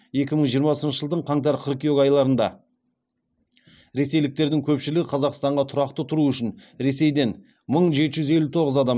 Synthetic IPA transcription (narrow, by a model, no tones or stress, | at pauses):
e̞kʲɪməɴʒijəɾmɑsənʃəʒəlˠd̪əɴqʰɑɴt̪ɑɾqʰəɾkʲijoɡɑjlˠɑɾənd̪ɑ̰ | ɾe̞se̞jlɪk̚t̪e̞ɾd̪ɪŋkʲʰɵpʃɪlɪɡʲɪqʰɑzɑqst̪ɑɴʁɑt̪ʰʊɾɑqt̪ət̪ʰʊɾuʏʃɪnɾe̞se̞jd̪e̞n | məɴʒe̞t̪ɪʒʏze̞lut̪ʰo̞ʁəzɑd̪ɑm